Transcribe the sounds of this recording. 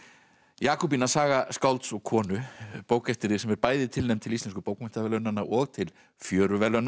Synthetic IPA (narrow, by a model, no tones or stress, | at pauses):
jaːkɔwp̬inasaːɣaskawlt̪sɔɣkʰɔːnʏpowkɛft̪ɪɾɪsɛmɛɾpaːjðɪt̪ʰɪlnejmt̪ʰɪlist̪ɛnskʏpoːwkmɪn̥t̪avɛlœnanaʔɔɣt̪ʰɪl | fjœːɾʏvɛlœnːa